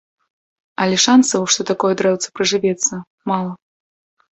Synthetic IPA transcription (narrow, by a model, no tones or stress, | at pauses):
ɐlʲɛʂansɐwʂt̪ɔt̪akɔjɛd̪ɾɛwt̪sɐ̥pɾɐʐɨvʲɛt̪sːɐ | malˠɐ